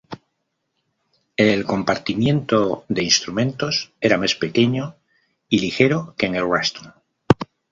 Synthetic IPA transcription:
e̞lko̞mpaɾt̪imjẽ̞nt̪o̞ðe̞inst̪ɾumẽ̞nt̪o̞se̞ɾamaspe̞ke̞ɲo | ilixe̞ɾokeːŋelwast̪uŋ

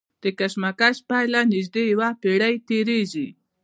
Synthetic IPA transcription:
d̪̥əkaʃmakaʃpajlanɪʒd̪ejawapeɽajt̪eɾeʒi

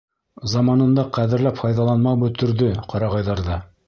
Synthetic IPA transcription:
zɑmɑnɤ̆nd̪ɑqæðɘ̆ɾlæpfɑjðɑlˠɑnmɑwbɵ̆t̪ɵ̆ɾðɵqʰɑɾɑʁɑjðɑɾðɑ

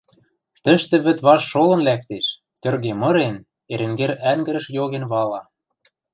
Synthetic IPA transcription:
t̪ə̆ʃt̪ĕβɘ̆t̪βɑʃːolɤ̆nlæk̚t̪eʃ | t̪ʲø̆rɣemɤ̆ɾen | eɾɘ̆ŋɡeɾæŋɡɘ̆ɾɘ̆ʃjoɣenβɑlɑ

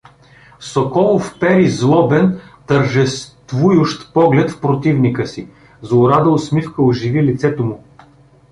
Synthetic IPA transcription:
sokɔlˠofpɛɾizlˠɔbɛnt̪əɾʒɛst̪vujʊʃt̪pɔɡlɛt̪fpɾot̪ivnikəsi | zˠʊɾad̪əʊsmifkəʊʒivilit̪sɛt̪omʊ

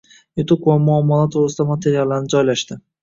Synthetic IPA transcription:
jʊt̪ʰʊkvamʊamːɒlˠat̪ʰoɾɪsɪd̪amat̪ʰe̞ɾijalˠːaɾnɪd͡ʒɒjlaʃt̪ɪ

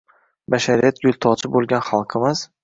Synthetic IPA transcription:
baʃaɾijat̪̚ɡʲʊlʲˠt̪ʰɒt͡ʃʰɪbolˠɡʲanχɑlˠqʰɨmɪz̥

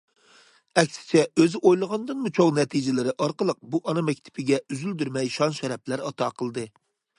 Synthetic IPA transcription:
ɛkʲsɪ̥t͡ʃʰɛøzɪʔojlˠəʁɑnd̪ɨnmut͡ʃʰoŋnɛt̪ʰid͡ʒɪlɪɾɪʔɑɾqəlˠəq̚buʔɑnɑmɛkʲt̪ʰɪ̥pʰɪɡʲɛyzyld̪yɾmɛjʃɑnʃɛɾɛplæɾɑt̪ʰɑqʰəlˠd̪ɨ

